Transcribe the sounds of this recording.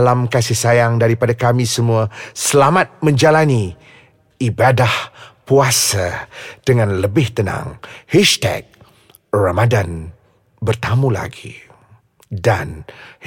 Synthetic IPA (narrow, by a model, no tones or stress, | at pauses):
lamkasɪhsajaŋdaɾipadakamĩsəmũasəlamat̪̚mə̃ɲd͡ʒalaniː | badahpuasad̥əŋãnləbɪht̪ənã̰ŋhɛʃt̪ɛ̰k̚ | ramadan | bərt̪amũla̰ɡḭ | dan